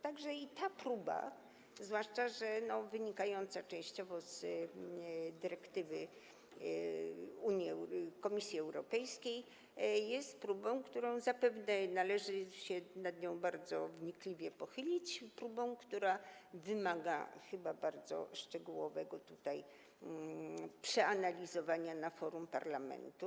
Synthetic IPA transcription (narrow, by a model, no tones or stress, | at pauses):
t̪aɡʐɛit̪apɾuba̰ | zvwaʂt͡ʂaʐɛnɔvɘɲikajɔnt̪sat͡ʂɛ̃w̃ɕt͡ɕɔvɔz̥ | d̪ɘɾɛkt̪ɘvɘ | uɲjiɛkɔmʲisʲjiɛwɾɔpɛjskʲej | jɛst̪̚pɾubɔ̃w̃kt̪uɾɔ̃w̃zapɛvnɛnalɛʐɘɕɛnad̪ɲɔ̃w̃baɾd̪zɔvɲiklʲivʲjɛpɔxɘlʲit͡ɕpɾubɔ̃w̃kt̪uɾavɘmaɡa̰xɘbabaɾd̪zɔ̰ʂt͡ʂɛɡuwɔvɛɡɔt̪ut̪aj | pʂɛanalʲizɔvaɲanafɔɾumpa̰ɾlamɛ̰nt̪u